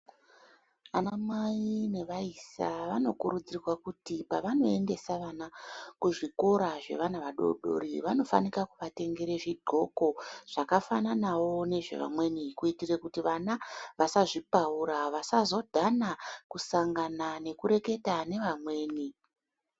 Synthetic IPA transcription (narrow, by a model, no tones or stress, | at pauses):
anamaiine̞ʋaisa̰ʋano̞kuɾud͡zirwakutipaʋano̞e̞nde̞saʋanakuʐiko̞ɾaʐe̞̰ʋanaʋaɗo̞̰ɗo̞̰ɾḭʋano̞fa̰nikakuʋate̞ŋɡe̞ɾeʐidʱo̞ko̞ʐ̥akafananawo̞ne̞ʐe̞̰ʋa̰mwe̞nikuitirekutiʋanaʋasaʐipauɾaʋasazo̞dʱanakusaŋɡanane̞kuɾe̞ke̞tane̞ʋamwe̞ːni